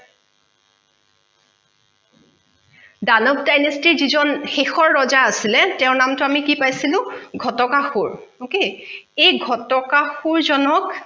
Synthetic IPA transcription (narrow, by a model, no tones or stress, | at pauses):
danɔk̚dajnistiɹzizɔnxexɔɹːɔzaasilɛtɛʊ̃namtʊamikipajsilʊ̃ɡʱɔtɔkaxuɹokeejɡʱɔtɔkaxuɹzɔnɔk